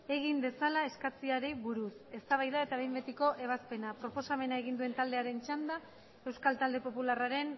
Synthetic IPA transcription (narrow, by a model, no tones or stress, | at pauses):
e̞ɣ̞ind̪e̞salae̞skat͡siaɾejβuɾuse̞st̪aβajðae̞t̪aβejmbe̞t̪iko̞ʔe̞β̞aspe̞napɾo̞po̞same̞naeɣ̞ind̪ue̞nt̪ald̪e̞aɾe̞nt͡ʃand̪a | e̞wskalt̪ald̪e̞po̞pularaɾe̞n